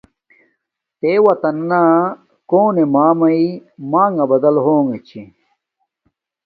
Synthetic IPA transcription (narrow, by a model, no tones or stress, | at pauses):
t̪eːwɐt̪ɐnːa | koːnemaːmɐimaːŋɡɐbɐd̪ɐlɦoːŋɡet͡ɕʰi